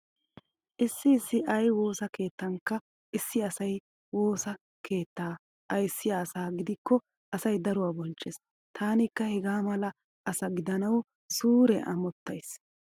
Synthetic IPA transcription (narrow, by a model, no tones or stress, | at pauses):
ʔɪsːɪɪsːɪʔɐjwo̞ːsɐke̞ːt̪ːɐŋkːɐ | ɪsːɪɐsɐj | wo̞ːsɐ | kʰe̞ːt̪ːaː | ʔɐjsːɪjaːsaːɡɪd̪ɪkːɔ | ɐsɐjd̪ɐɾʊwaːbɔnt͡ʃʼːeːs | t̪ʰaːnɪkːɐhɛɡaːmɐlɐ | ɐsɐɡɪd̪ɐnɐw | suːɾɛ̰ʔɐ̰mɔt̪ːɐjs